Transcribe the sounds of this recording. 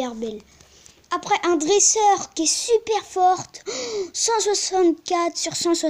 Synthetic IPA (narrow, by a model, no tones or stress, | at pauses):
ɛʁbɛl | apχɛʔɛ̃d̪ʁɛsœʁkʲiɛsypɛʁfɔʁt̪sɑ̃swasɑ̃t̪̚kʲat̪syʁsɑ̃swa